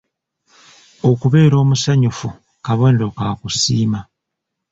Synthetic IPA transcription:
okuβe̞ːɾo̞ːmusaɲufu | kaβoːndokaːkusiːma

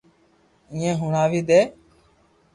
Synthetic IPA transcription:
ɪ̃ːẽːɦʊɳaːʋiːd̪eː

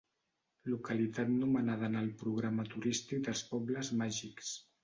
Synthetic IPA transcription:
lukəlit̪at̪numənaðənalˠpɾuɣ̞ɾamət̪uɾist̪ik̚d̪əlˠspɔbləzmaʒiks

